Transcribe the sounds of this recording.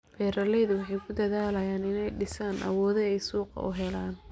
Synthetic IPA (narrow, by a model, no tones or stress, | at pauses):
bɛːɾɐlɛjðʊwɑħɑjkʰʊd̪ɐðaːlɐjaːnɪnɛjɖɪsaːnʔɐ̰wɔːðɛɛjsuːqɑ̰ʔʊɦɛlaːn